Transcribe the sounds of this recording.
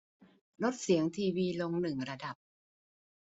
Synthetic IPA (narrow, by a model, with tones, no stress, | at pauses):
lo˦˥t̪̚si˨˩˦əŋt̪ʰiː˧wiː˧lo˧ŋnɯ˨˩ŋɾa˧da˨˩p̚